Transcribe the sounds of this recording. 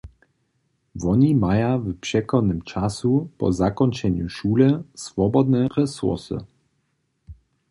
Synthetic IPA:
vɔɲimajavpʂɛkɔnɘmt͡ʂasupɔ̰zakɔnt͡ʂɛɲuʃuːlɛsvɔbɔd̪nɛɾɛsṵrsɨ̰

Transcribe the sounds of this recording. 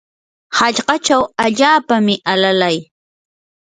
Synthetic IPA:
haʎɢɑt͡ʃawaʎaːpamɪʔalalaj

